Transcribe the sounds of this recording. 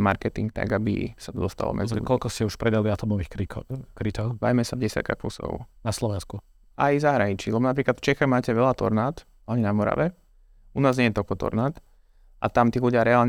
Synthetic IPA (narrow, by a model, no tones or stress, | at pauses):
maɾkɛt̪iŋk̚t̪a̰ɡabḭsat̪ɔd̪ɔst̪a̰lɔ̰mɛ̰d͡zilṵkɔlkɔscɛuʃpɾɛd̪aliat̪ɔmɔʋiːxikɾit̪ɔʊba̰jmɛsaɟɛsɪa̰t̪̚ka̰xpṵsɔ̰ʊnaslɔʋɛnsku | ʔajzaɦɾaɲit͡ʃilɛbɔnapɾiːklat̪ft͡ʃɛxaɣmaːcɛʋɛlat̪ɔ̰ɾnaːt̪ | aɲinamɔɾa̰ʋɛ | unaːzɲɛjɛt̪ɔlkɔt̪ɔ̰ɾnaːt̪ | ʔa̰t̪amt̪iːluɟɪaɾɛaːlɲ